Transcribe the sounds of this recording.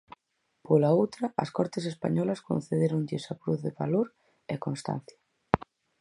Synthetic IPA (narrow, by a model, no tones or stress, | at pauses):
polaowt̪ɾaʔɐ̰skɔɾt̪esespa̰ɲɔlasko̰n̟θeðeɾonʎɪsakɾuθðeβaloɾ | ekõnst̪a̰n̟θjḁ